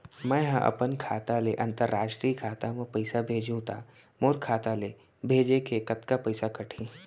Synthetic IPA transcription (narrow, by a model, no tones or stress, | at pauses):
mɛ̃ːɦãʔɐ̰pənkʰaːt̪aleʔɐ̃nt̪əɾːaːʃʈɾiːkʰaːt̪amẽpɐɪsabʱeːd͡ʒũt̪aː | moːɾkʰaːt̪ale | bʱeːd͡ʒekekɐt̪kapɐɪsakɐʈʰĩː